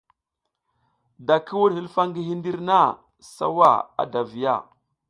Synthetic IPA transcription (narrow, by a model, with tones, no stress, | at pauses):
da˨kʰi˦wu˦ɗhi˦lfa˦ŋɡi˦ɦi˦ndi˦ɾna˦˨ | sa̰˦wa̰˦˨a̰˨da˨vi˨ja̰˦˨